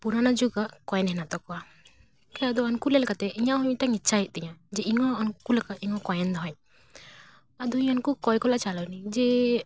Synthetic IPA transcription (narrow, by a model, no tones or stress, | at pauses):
puɾanad͡ʒuɡaʔkɔjɛnɦɛnat̪ɔkɔa | kɛad̪ɔankulɛlkat̪ɛʔiɲaɦɔmit̪aŋitːt͡ʃʰaɦit̪̚ˀt̪ɛɲad͡ʒɛiŋɔːnkulakaʔiŋɔkɔjɛnd̪ɔɦɔɲ | ad̪ɔiɲankukɔjkɔlaʔt͡ʃalawnid͡ʒɛ